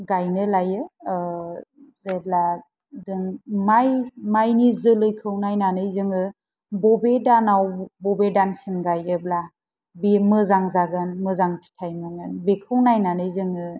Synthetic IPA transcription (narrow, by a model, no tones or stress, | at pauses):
ɡajnɯlajɯ | zebla | dɯŋmajmajnizɯlɯjkʰɯwnajnanɯjzɯŋɯ | bɔbedanawbɔbedansinɡajɯbla | bemɯzaŋzaɡɯnmɯzaŋtʰi̥tʰajmɯŋɯnbekʰɯwnajnanɯjzɯŋɯ